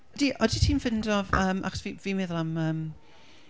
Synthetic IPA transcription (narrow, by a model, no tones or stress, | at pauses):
diʔɔditʰiːnfɪndɔvəːmʔa̰ksvivimɛðɔlˠaməːm